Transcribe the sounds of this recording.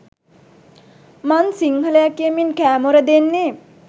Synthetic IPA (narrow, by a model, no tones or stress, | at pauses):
mansiŋhələjakijəminkæːmoɾəd̪enːe